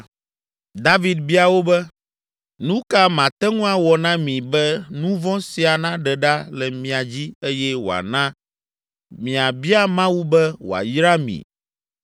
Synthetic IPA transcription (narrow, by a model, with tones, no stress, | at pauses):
d̪a˦vi˨d̪̚bi˦a˨wo˦bɛ˦ | nũ˦ka˦mã˨t̪ɛ˦ŋũ˦a˨wɔ˨nã˦mĩ˨bɛ˦nũ˦vɔ̃˦si˨a˨nã˦ɖɛ˨ɖa˦lɛ˨mĩ˨a˨d͡ʑi˦e˦jɛ˦wo̰˨a̰˨nã˦ | mĩ˨a˨bi˦a˦mã˦wu˦bɛ˦wo̰˨a̰˨jɾa˦mḭ̃˨